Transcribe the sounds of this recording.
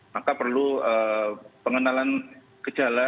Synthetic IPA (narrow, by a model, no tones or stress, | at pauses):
makapərluəːpəŋənalan | kət͡ʃala